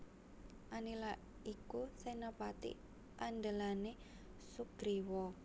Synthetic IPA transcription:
ʔanila | ikusenapat̪ḭ | ʔand̪əlane | suɡ̥ɾiwɔ

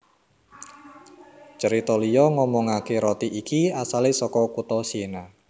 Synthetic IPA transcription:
t͡ʃəɾit̪ɔlijɔŋɔmɔŋakeɾɔt̪iʔikiasalesɔkɔkut̪ɔsena

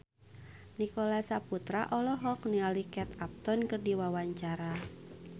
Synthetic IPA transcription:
nikolasaput̪ɾa̰ʔɔlɔɦɔknialikɛt̪ap̚t̪ɔnkərdiwawaɲt͡ʃaɾa

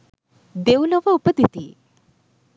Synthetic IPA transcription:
d̪ewləʋaupəd̪it̪iː

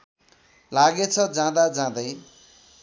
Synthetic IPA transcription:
laɡet͡sʰʌd͡zãd̪ad͡zãd̪ʌj

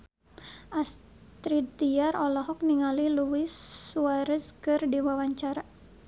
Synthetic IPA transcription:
ʔas | t̪ɾit̪iarɔlɔɦɔk̚niŋaliluɪsːuaɾəskɨrdiwawaɲt͡ʃaɾa

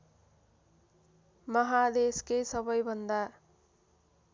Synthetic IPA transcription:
mʌɦad̪eskesʌbʌjbʱʌnd̪a

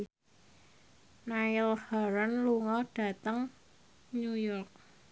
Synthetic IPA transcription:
najɪlhaɾənluŋɔɖ̥ä̤t̪əŋ | nujɔrk̚

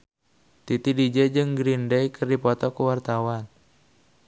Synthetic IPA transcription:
t̪it̪idid͡ʒɛd͡ʒɨŋɡɾindɛjkʰɨrdipɔt̪ɔkuwart̪awan

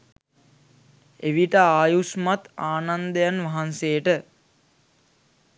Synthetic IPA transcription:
eʋiʈəaːjusmat̪aːnand̪əjanʋaɦanseːəʈə

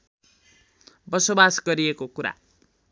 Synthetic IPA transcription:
bʌsobasɡʌɾiekokuɾa̰

